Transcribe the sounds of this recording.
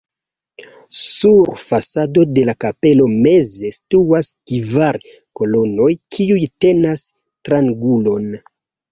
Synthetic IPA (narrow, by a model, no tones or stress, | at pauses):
suɾfasado̞de̞lakape̞lo̞me̞ze̞stuaskivaɾ | ko̞lo̞no̞jkʰiujte̞nas | tɾaŋɡulo̞n